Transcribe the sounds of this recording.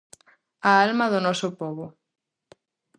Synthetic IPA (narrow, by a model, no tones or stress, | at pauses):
aalmɐðʊnɔsʊpɔβʊ